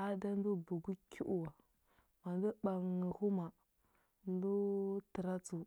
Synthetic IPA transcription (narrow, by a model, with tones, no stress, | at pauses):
a˦da˦n˦du˦bu˨ɡu˦kʲu˦ʔu˨wa˨ | ma˨n˦du˦ɓa˨ŋi˨hu˦ma˨ | n˦du˦tə˨ɾa˦t͡su˨